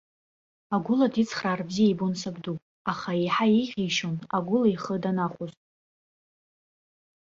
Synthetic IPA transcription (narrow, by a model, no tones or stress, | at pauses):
aɡʷʊladit͡sʰχraːrbzijajbonsaɡdupʼ | aχaejħaejʁʲiʃonaɡʷʊlaiχədanaχʷʊztʼ